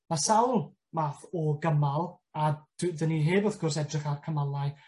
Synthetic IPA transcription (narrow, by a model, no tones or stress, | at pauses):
masawlˠ | maːθɔɡəmalˠ | ad̥ðəniɦeːbəfɡʊrs̬ɛdrɪχarkʰəmalˠaj